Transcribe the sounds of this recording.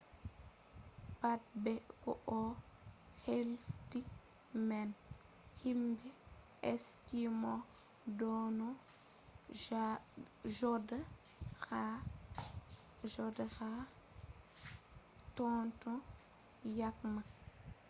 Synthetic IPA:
pat̚bɛkɔ̰ʔɔ | helfti | mɛn | himbɛ | ɛskimɔ | dɔnɔ | d͡ʒɔda | xa | ʒɔdaxa | tɔntɔ | jakma

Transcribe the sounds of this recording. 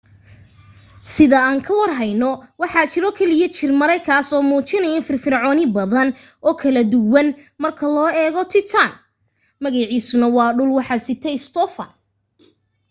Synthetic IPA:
sɪðɐaːŋkʰɐwɐrɦɐjnɔwɑħɑːt͡ʃɪɾɔkʰɛlɪjɐt͡ʃʰɪrmɐɾɛjkʰaːsɔːmuːt͡ʃɪnɐjɐnfɪrfɪrʕɔːnɪbɐðɐn | ɔːkʰɐlɐd̪ʊwɐnmɐrkʰɐlɔːɛːɣɔt̪ʰɪt̪ʰan | mɐɣɑʕiːsʊnɐwɑːɖʊlwɑħɑsɪt̪ʰɛɪst̪ʰɔfɐ̰n

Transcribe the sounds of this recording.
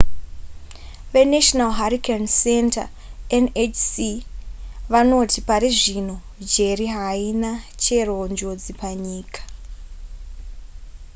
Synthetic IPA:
ʋe̞neʃonalɦaɾikʰensenta̰ | enet͡ʃsi | ʋano̞tipaɾiʐin̤o̞ | d͡ʒe̞riɦainat͡ʃe̞rond͡ʒo̞d͡zipaɲiːkḁ

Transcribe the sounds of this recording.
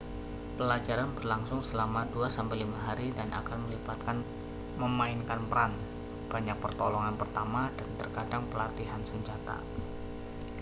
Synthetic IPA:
pəlad͡ʒaɾanbərlaŋsʊŋsəlamaduasampɪlimaɦaɾidanʔa̰kanməlibat̪̚kan | məmaɪnkanpəɾan | b̥aɲak̚pərt̪ɔlɔŋanpərt̪amadant̪ərkadaŋpəlat̪iɦansəɲd͡ʒat̪a̰

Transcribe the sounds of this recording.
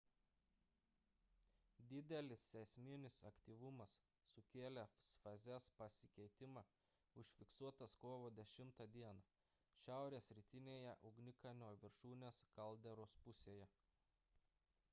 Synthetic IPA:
d̪ʲɪd̪ʲɛlʲɪsːʲɛsʲmʲɪnʲɪsɐkt̪ʲiːʋʊmɐsː | ʊkʲeːlʲɛsfɐzʲɛspɐsʲɪkʲɛɪt̪ʲɪmɑː | ʊʃʲfʲɪksuɔt̪ɐskoːʋoːd̪ʲɛʃʲɪmt̪ɐd̪ʲiɛnɐ | ʃʲæˑʊɾʲeːsɾʲit̪ʲɪnʲeːjɛʔʊɡnʲɪkɐnʲoːʋʲɪɾʃuːnʲeːskɐlˠʲd̪ʲɛɾoːspʊsʲeːjɛ

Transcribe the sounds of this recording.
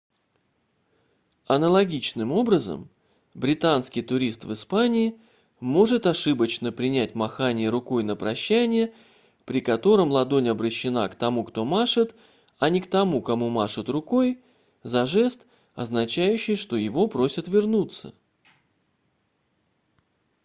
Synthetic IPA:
ɐnəlˠɐɡʲit͡ɕnɨmo̞bɾəzə̰m | bɾʲɪt̪anskʲɪjt̪ʊɾʲist̪vɨspanʲɪː | mo̞ʐɨt̪ɐʂɨbət͡ɕnəpɾʲɪnʲætʲmɐxanʲɪjəɾʊko̞jnəpɾɐɕːænʲɪjə | pɾʲɪkɐt̪o̞ɾəmlˠɐd̪o̞nʲɐbɾəɕːɪna̰kt̪ɐmukt̪o̞maʂɨt̪ | ɐnʲɪkt̪ɐmukɐmumaʂɨt̪rʊko̞j | zɐʐɛst̪ | ɐ̰znɐt͡ɕæjʉɕːɪjʂt̪o̞jɪvo̞pɾo̞sʲət̪vʲɪrnut̪sə̰

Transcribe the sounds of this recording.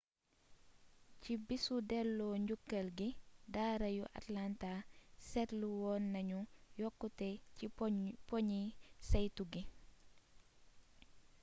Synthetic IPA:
cibisudɛlːɔːɲɟukːɐlɡidaːɾɐjuʔa̰tlantasɛtluwɔːnːɐɲujɔkːutɛipɔɲisɐjtuɡi

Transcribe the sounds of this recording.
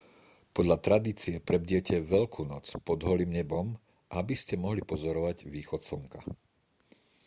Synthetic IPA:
pɔd̪ʎat̪ɾad̪iːt͡siɛpɾɛbɟɪɛcɛʋɛʎkʰuːnɔt͡spɔd̪ɦɔliːmɲɛbɔm | ʔabiscɛmɔɦlipɔzɔɾɔʋaɟʋiːxɔt̪sɔŋka̰

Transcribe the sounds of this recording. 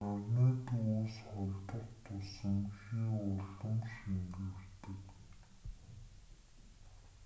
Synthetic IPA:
arneːt̪uuːsχɔɮʲt̪ə̆kt̪ʰʊsə̆ŋxiːʊɮə̆mʃiŋɡɘ̆wt̪ɘ̆k

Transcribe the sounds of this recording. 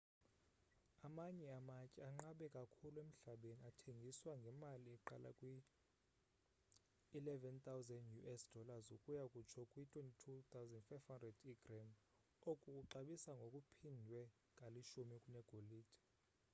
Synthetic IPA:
amaɲɛamacʼɛaŋ͡ǁaɓɛkʼakʰulwem̩ɬaɓeniatʰeŋɡʱiswaŋɡʱɛmaliɛǃa̰la̰kʼwi | lɛvɛnt̪ʰʼawzɛndjuʔɛsd̥ʱɔlazokʼujakʼut͡ʃʰɔkʼwitʰʼwentʼitʰut̪ʰawzɛndfajvhandrɛdiɡrɛm | okʼukʼuǃaɓisaŋɡʱokʼupʰindʱwɛ | kʼaliʃumikʼunɛɡ̥ʱoliːtʰʼɛ̥

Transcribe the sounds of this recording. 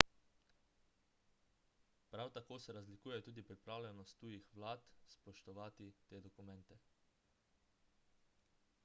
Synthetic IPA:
pɾawt̪akoːsɛɾazlikuːjɛt̪uːd̪ipɾipɾaːwlʲɛnɔst̪ːuːjixʋlaːt̪spɔʃt̪ɔʋaːt̪it̪eːd̪ɔkumɛ̃nt̪ɛ

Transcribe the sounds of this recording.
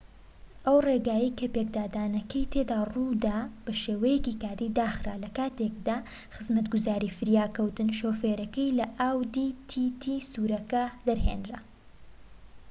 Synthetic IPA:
ʔɐwreːɡaːjɐjkʰɐpek̚d̪aːd̪aːnɐkɐjt̪ʰeːd̪aːrud̪ab̥ɐʃeːwɐjɛcikaːd̪iːd̪aːxɾa̰lɐkaːt̪ek̚d̪aː | xɨzmɐt̪ɡuzaːɾifɨɾjaːkɐwt̪ɨnʃoːfeːɾɐkɐjlɐʔaːwd̪iːt̪ʰit̪ʰisuːɾɐkɐd̪ɐɾɦḛnɾa

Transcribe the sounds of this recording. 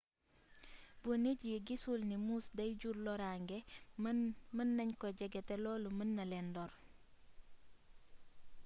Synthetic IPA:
buniɟiɡisulnimusdajɟuɾlɔɾaŋɡe | mənːɐɲkɔɟɛɡɛtɛlɔːlumənːɐlɛndɔɾ

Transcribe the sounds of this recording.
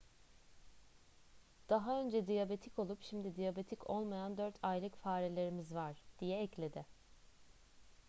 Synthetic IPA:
d̪̥aɦaø̞nd͡ʒɛd̪ijabe̞t̪ʰicʰo̞lˠupʃimd̪id̪ijabet̪ʰickʰo̞̰lˠmajand̪øɾt̪ʰajlʲˠɯcfaːɾelʲe̞ɾimizvaɾ̥d̪̥ijɛɛclʲe̞d̪ɪ

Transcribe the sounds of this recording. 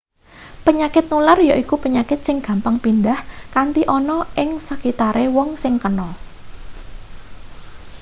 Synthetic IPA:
pəɲakɪt̪̚nularjɔʔikupəɲakɪt̪̚sɪŋɡ̥ä̤mpaŋpind̪ahkant̪iʔɔnɔʔɪŋsəkit̪aɾewɔŋsɪŋkənɔ

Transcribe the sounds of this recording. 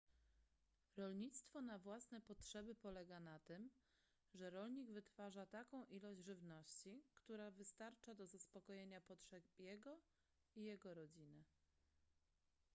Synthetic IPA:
ɾɔlɲit̪st̪fɔnavwasnɛpɔtʂɛbɘpɔlɛɡanat̪ɘm | ʐɛɾɔlɲiɡvɘt̪faʐat̪akɔ̃w̃ʔilɔʑd͡ʑʐɘvnɔɕt͡ɕikt̪uɾavɘst̪aɾt͡ʂad̪ɔzaspɔkɔjeɲapɔtʂɛjɛɡɔ | ijɛɡɔɾɔd͡ʑinɘ

